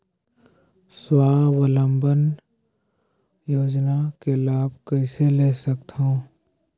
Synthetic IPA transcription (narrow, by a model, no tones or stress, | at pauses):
swaːʋələmbən | joːd͡ʒnakelaːb̚ʱkəɪseleːsək̚t̪ɦõː